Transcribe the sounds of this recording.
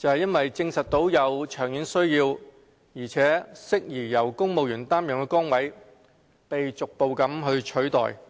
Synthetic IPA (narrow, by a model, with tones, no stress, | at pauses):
t͡sɐ˨whjɐ˥nwɐ˨jt͡sɪ˧ŋsɐ˨t̚t̪ːo˨˥wjɐ˨˧wt͡ʃʰœː˨˩ŋjyː˨˥nsɵ˥ɥjiː˧w | jiː˨˩t͡sʰɛː˨˥sɪ˥k̚jiː˨˩jɐ˨˩wkʊ˥ŋmo˨wjyː˨˩nt̪aː˥mjɔː˨˩ŋkɛː˧kɔː˥ŋwɐ˨˥j | pe˨jt͡sʊ˨k̚po˧wkɐ˨˥mɦɵ˧ɥt͡ʃʰɵ˨˥t̪ɔ̰ː˨˩j